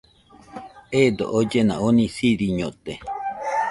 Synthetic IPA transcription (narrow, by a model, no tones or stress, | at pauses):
ed̪o̰ʔod͡ʒenã̰ʔonĩsiɾiɲõt̪e